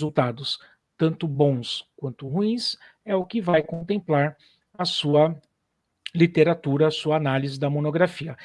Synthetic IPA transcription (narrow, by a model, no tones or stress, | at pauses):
zut̪ad̪ʊs | t̪ɐ̃nt̪ʊbõw̃skwɐ̃nt̪ʊɦuĩs | ɛʊkɪvajkõnt̪ẽmplaɾ | ɐsuɐ | lit̪eɾat̪uɾɐːsuɐːnalizɪd̪ɐmonoɡɾafiɐ